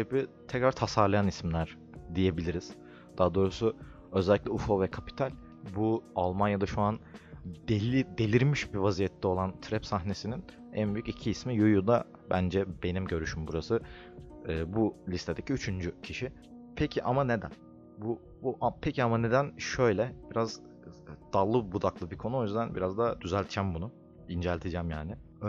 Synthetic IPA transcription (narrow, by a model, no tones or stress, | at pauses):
ebit̪ʰɛcɾaɾt̪ʰasaɾlˠajanismlʲæɾ | d̪ije̞bilʲiɾiz̥ | d̪̥aad̪o̞ːɾusʊ | ø̞zɛlʲːiclʲɛufovɛkʰapi̥t̪ʰalʲ | bualˠmanjad̪aʃuand̪elʲid̪e̞lʲiɾmiʃbivazijɛt̪ʰːɛo̞lˠant̪ʰɾɛpsaɦne̞sinin | ænbyjycicʰiːsmijujud̪a | bænd͡ʒɛbe̞nimɟø̞ɾyʃymbuɾasɯː | bulʲist̪ʰe̞d̪e̞cʰiyt͡ʃʰynd͡ʒycʰiʃi | pʰecʰiʔamane̞d̪æn | bu | buʔapʰecʰiamane̞d̪ænʃø̞jlʲɛb̥iɾaz | d̪̥alˠːɯbud̪aklˠɯbikʰo̞nuo̞jyzd̪ænbiɾazd̪ad̪̥yzælʲt̪ʰt͡ʃʰæmbunu | ind͡ʒælʲt̪ʰed͡ʒæmjaːnɪ